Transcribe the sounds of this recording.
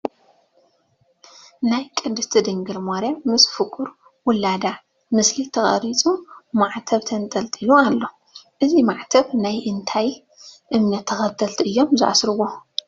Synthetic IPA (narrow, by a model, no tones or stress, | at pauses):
najkʼɨnd̪ɨst̪ʰɨd̪ɨŋɡɨɾmoɾjamɨsfɨkʼuɾ | wʊlːad̪a | mɨslit̪ʰɐxʼɐ̰ɾit͡sʼumaʕt̪ʰɐβt̪ʰɐnt̪ʼɐlt̪ʼilualːo̞ | ʔɨzimaʕt̪ʰɐβnajʔɨnt̪ʰaj | ʔɨmnɐt̪ʰːɐxɐt̪ʰːɐlt̪ʰiʔɨjːo̞mzɨʔa̰sɾɨwo